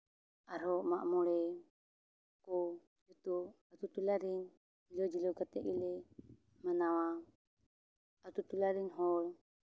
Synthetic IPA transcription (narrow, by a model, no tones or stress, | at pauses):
aɾɔʔmaʔmɔɽɛ | kɔ | d͡ʒut̪ɔat̪ut̪ulaɾiɲ | d͡ʒlɔd͡ʒilɔɡat̪ɛʔilɛ | manawa | at̪ut̪ulaɾiɲɦɔɾ